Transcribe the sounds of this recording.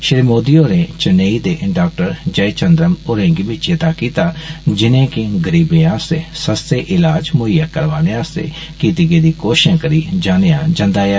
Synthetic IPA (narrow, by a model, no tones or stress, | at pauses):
ʃɪɾimoːd̪ijoːneːt͡ʃəneːiːd̪eːɖaːk̚ʈəɾd͡ʒəit͡ʃənd̪ɾəmʊɾẽːŋɡibɪt͡ʃet̪aːkiːt̪aːd͡ʒɪnẽːkɪɡəɾiːbẽːãːseːsəst̪eːʔɪlaːd͡ʒmʊɪjaːkəɾʋaːneːãːst̪ḛː | kiːt̪iɡeːd̪iːkoːʃãːkəɾiːd͡ʒaːnejãːd͡ʒãnd̪aːɦ